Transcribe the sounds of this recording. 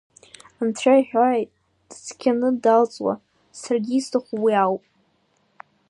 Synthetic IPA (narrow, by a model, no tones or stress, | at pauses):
antʰajaħᶣaʕajtʼ | d̥skʲʰanɨdalt͡sʼwa̰ | sarɡʲiːstʰaχʷwiawpʼ